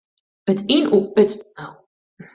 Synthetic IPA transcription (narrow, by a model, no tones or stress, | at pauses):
ətinuøtnaw